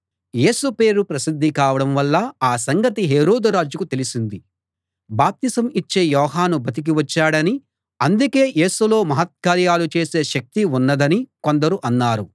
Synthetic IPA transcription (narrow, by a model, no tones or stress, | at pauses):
je̞ːsupe̞ːɾupɾɐsid̪ʱːikaːʋɐɽɐmʋɐlːɐaːsɐŋɡɐt̪iɦeːɾoːd̪uɾaːd͡ʒukut̪e̞lisind̪i | baːp̚t̪isɐmit͡ʃːe̞ːjɔːɦaːnubɐt̪̬ik̬iʋɐt͡ʃːaːɽɐni | ɐnd̪uke̞ːje̞ːsulo̞ːmɐɦɐt̪̚kaːɾjaːlut͡ʃe̞ːse̞ːʃɐk̚t̪iunːɐd̪ɐniko̞nd̪ɐɾuʔɐnːaːɾu